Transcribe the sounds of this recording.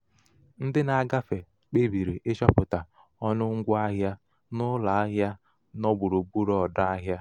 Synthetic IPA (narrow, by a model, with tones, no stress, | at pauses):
n̩˦dɪ˦na˨˦ɡa˦fe˨ | k͡pe˦bi˨ɾi˨ʔe˦ʃɔ˦pʊ˨ta˨ | ɔ˦nʊ˦ŋ̩˦ɡʷa˦ɦja˦ | nʊ˦la˨a˦ɦja˦ | nɔ˦ɡ͡bu˨ɾo˨bu˦ɾɔ˦˨ɔ˨da˦a˦ɦja˦